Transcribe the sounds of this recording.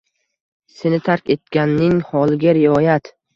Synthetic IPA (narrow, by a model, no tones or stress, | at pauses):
se̞nɪt̪ʰaɾkʲe̞t̪̚kʲanːɪŋhɒlˠɪɡʲaɾɪɒjat̪